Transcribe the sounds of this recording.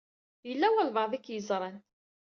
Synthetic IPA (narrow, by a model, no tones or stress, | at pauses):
jəlːæwælvɑðikːjəzɾˤɑn